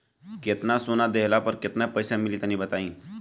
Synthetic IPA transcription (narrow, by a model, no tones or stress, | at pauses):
ket̪nasonad̪eɦlapəɾket̪napəjsãmilit̪anĩbət̪aĩː